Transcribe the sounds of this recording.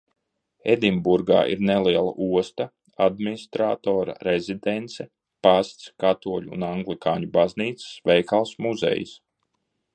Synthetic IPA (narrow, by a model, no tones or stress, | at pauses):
ḛd̪imbuɾɡa̰ːʔḭɾneliɛlˠa̰ʔuɔst̪a | ad̪̚minist̪ɾaːt̪oːɾa̰ɾezʲid̪ent̪sɛ | past̪skat̪uɔʎ̰ːnaŋɡlikaːɲubazniːt̪ssvɛjkalˠsmuzḛjḭs